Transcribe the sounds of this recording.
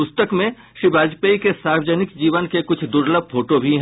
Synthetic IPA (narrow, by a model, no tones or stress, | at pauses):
pʊst̪əkmẽ | ʃɾibʱaːd͡ʒpəikesaːɾwəd͡ʒənɪkd͡ʒiːʋənkekʊt͡ʃʰd̪ʊɾləb̚pʰoːʈobʱiɦ